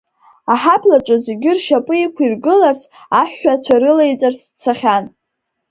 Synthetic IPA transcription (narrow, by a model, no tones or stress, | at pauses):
aħapʰlaʈ͡ʂʼɨzeɡʲɪrʃapʼɨikʷʰirɡɨlart͡sʰ | aħːat͡sʷʰaɾɨlejt͡sʼart͡sʰt͡sʰaχʲan